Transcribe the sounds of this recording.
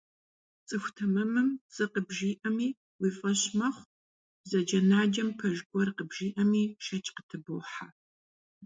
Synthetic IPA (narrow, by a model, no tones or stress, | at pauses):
t͡sʼɨxʷtʰɐmɐmɨmt͡sʼɨqəbʒiːʔɐmiː | wiːfʼɐɕmɐχʷ | bzɐd͡ʒɐnaːd͡ʒɐmpʰɐʒɡʷɔrqəbʒiːʔɐmiːʃɐt͡ʃʼqətʰɨboħa